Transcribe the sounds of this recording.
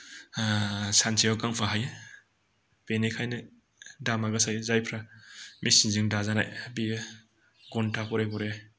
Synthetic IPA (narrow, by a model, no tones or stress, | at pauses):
sansʰijawkaŋpʰaɦaje | penekʰajnɯ | damaɡasajzajpʰɾamʔisinzɯŋdazana̰jbi | ɡɔntʰakʰɔɾekɔɾe